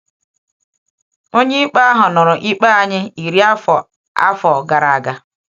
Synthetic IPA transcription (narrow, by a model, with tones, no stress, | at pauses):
o˦ɲe˦i˦k͡pa˦a˦ɦʊ˨nʊ˨ɾʊ˨ʔi˦k͡pa˦a˨ɲɪ˦i˨ɾi˦a˦fɔ˨ | a̰˦fɔ˨ɡa˨ɾa˨a˨ɡa˨